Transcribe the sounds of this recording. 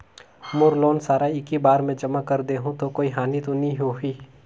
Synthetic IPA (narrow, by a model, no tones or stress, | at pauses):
mʊɾloːnsaːɾaɪkibaːɾmɛ̃d͡ʒɐmakɐɾd̪eɦũt̪okoːiɦaːnit̪onĩɦoɦiː